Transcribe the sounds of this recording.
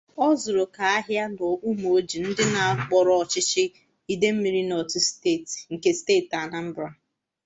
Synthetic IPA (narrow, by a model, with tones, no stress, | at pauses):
ɔ˦zʊ˨ɾo˨ka˨a˦ɦja˦n˨ɔ˨ʔu˦m˨oo˦d͡ʒi˨n̩˦dɪ˦na˨k͡pɔ˨ɾɔ˦ɔ˨t͡ʃɪ˦t͡ʃɪ˦ | i˦de˦m̩˦mi˨ɾi˦nɔ˨tʊ˦ste˦˨tŋ̩˨ke˨steː˦˨ta˨na˦m̩˦bɾa˦